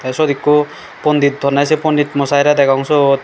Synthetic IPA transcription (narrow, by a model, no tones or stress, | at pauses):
asɔd̪ikːo | pɔnd̪it̪̚d̪ʱɔnasepɔnd̪it̪mɔsajɾad̪ɛkʰaŋsɔ